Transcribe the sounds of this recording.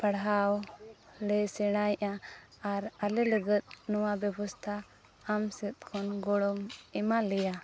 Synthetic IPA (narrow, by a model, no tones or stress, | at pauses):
pəɽɦawlɛsɛɽ̃ajʔaː | ɾalɛləɡət̪̚nɔwabɛbɔst̪ʰaː | msɛt̪̚kʰɔnɡɔɽɔmɛmalɛja